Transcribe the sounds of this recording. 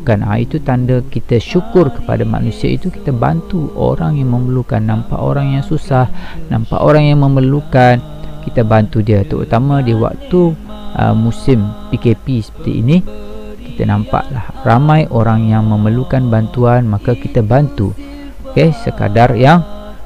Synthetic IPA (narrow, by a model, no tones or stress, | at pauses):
kana̰it̪ut̪andakit̪aʃukʊrkə̥pa̰dama̰nũsia̰ḭt̪uki̥t̪aba̰nt̪uʔo̰ɾaŋjaŋmə̃məluka̰nːampa̰ʔo̰ɾaŋjaŋsusahna̰mpa̰ʔoɾaŋjaŋmə̃mərlukan | kit̪abant̪udiət̪əʔṵt̪amãdiwa̰k̚t̪u | ʔə̰musɪmpikepisə̥pə̥t̪ḭːni | ki̥t̪anãmpa̰ʔlahramãjʔoɾaŋjaŋmə̃məlukanbant̪uanmakakit̪abant̪ṵ | okesəka̰darjaŋ